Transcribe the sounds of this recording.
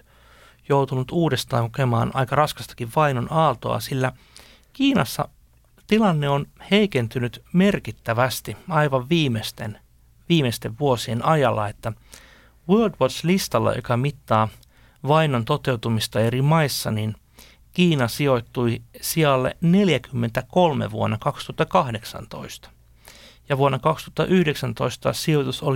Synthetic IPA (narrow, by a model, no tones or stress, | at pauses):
jowt̪unut̪uːdest̪ɑ̰ːŋkukemɑːnɑ̰ikɑrɑskɑ̥st̪ɑ̥kiʋʋɑinonɑːt̪o̰ɑ̰silːæ | kiːnɑsːɑ̰ | t̪ilɑnːeonheikent̪ynyt̪merkit̪ːæʋæst̪iɑiʋɑʋʋiːmest̪en | ʋiːmest̪eʋʋuosienʔɑjɑlːɑ̰et̪ːæ | wøːldwot̪slist̪ɑlːɑ̰jo̰kɑmit̪ːɑː | ʋɑinont̪ot̪e̞wt̪umist̪ɑerimɑisːɑnin | kiːnɑsio̞it̪ːuisiɑlːḛneljækymːent̪ækolmḛʋuonːɑkɑkst̪uhɑt̪ːɑkɑhdeksɑ̰nt̪o̰ist̪ɑ̥ | jɑʋuonːɑkɑkst̪ŭ̥ɑt̪ːɑʔyhdeksænt̪o̞ist̪ɑ̰siot̪usol